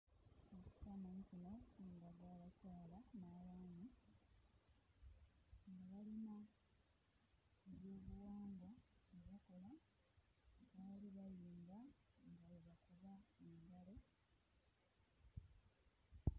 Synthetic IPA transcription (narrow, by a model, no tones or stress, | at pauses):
oku̥tanancinacuːŋɡaɡaːβacaːlanajaːni | ŋɡaβalina | eβoːmuwaːŋɡwaeβako̞la | βaːliβajiːmɡaŋɡaβeβakuβaeːɲdale